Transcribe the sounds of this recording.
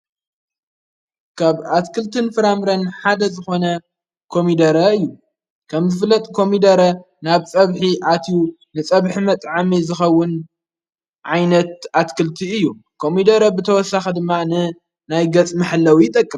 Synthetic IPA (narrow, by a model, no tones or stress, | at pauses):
kʰaβat̪kʰɨlt̪ʰɨnfɨɾamɾɐnħad̪ɐzɨxo̞nɐ | kʰo̞mid̪ɐɾɐɨjːu | kʰɐmzɨfɨlːɐt̪ʼkʰo̞mid̪ɐɾɐ | naβt͡sʼɐβħiʔat̪ʰiju | nɨt͡sʼɐβħimɐt̪ʼʕamizɨxɐwːʊn | ʕajnɐt̪̚ʔat̪kʰɨlt̪ʰiɨjːukʰo̞mid̪ɐɾɐbɨt̪ʰɐwɔsːaxɐd̪ɨmːanɨ | najɡɐt͡sʼmɐħlːɐwjɪt̪ʼɐkʼːɨm